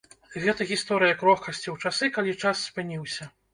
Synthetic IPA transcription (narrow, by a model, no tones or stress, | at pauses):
ɣɛt̪ɐɣʲist̪ɔɾɨjɐkɾɔxkɐsʲt͡sʲiwt͡ʂasɨkalʲit͡ʂasːpɨnʲiwsʲɐ